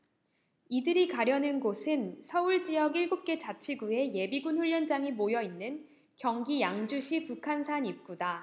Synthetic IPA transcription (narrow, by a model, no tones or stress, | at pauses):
idɯɾikaɾjʌnɯnɡosʰɯnsʰʌuɭd͡ʑijʌɡiɭɡop̚k͈e̞t͡ɕat͡ɕʰiɡue̞je̞biɡunɸuʎːʌnd͡ʑaŋimojʌinːɯn | kjʌŋɡijaŋd͡ʑuɕʰipukʰansʰaɲip̚k͈uda